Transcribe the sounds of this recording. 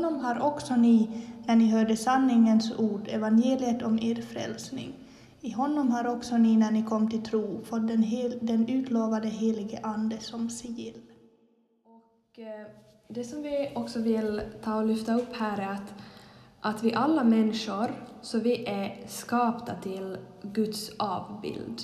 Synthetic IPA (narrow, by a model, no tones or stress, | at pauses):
nːɔmɦaɾɔksɔnɪnæɳɪɦœːɖəsanːɪŋənsuːɖɛvanjeːlɪət̪ɔmeːɾfɾɛ̰lsnɪ̰ŋ | ɪɦɔnːɔmɦaɾɔksɔnɪnæɳɪkʰɔmːt̪ʰɪlt̪ʰɾuːfɔt̪̚d̪d̪ɛnʉ̟ːt̪loːvad̪əɦeːlɪɡəʔand̪əsɔmsɛjɪlː | ɔk | d̪ɛsɔmvɪɔksɔvɪlt̪ʰɑːɔlʏft̪aɵpːhæːɾæɾat̪ʔat̪vɪʔalːamɛnːɪʂʊɾsɔvɪʔæskɑːpt̪at̪ʰɪlɡɵt̪sɑːvbɪ̰ld̪